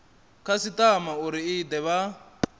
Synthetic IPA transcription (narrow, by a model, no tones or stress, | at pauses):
kʰasitʼamauɾiid̪ɛβa